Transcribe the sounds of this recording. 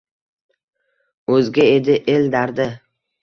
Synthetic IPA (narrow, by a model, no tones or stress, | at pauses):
ɵzɡʲaed̪ɪʔeld̪aɾd̪ɪ